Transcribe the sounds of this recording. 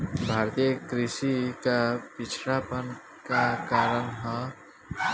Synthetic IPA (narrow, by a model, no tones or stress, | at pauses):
bʱaːɾt̪ijəkɾɪʃikapɪt͡ʃʰɾaːpən | kakaːɾənɦə̃